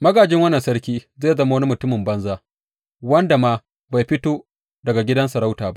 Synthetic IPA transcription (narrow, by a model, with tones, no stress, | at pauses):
mɐ˦ɡaː˨d͡ʒɪ˦ŋwɐ˦nːɐ˨nsɐ˦ɽkʲiː˦zeː˦˨jzɐ˦ma˦wni˦mʊ˨tʊ˦mɪ˨mbɐ˦nzaː˦ | wɐ˦nda˨maː˦ | ba˨jɸɪ˦toː˦ | dɐ˨ɡa˨ɡʲɪ˦dɐ˦nsɐ˨ɾa˦wtaː˨ba˦ʔ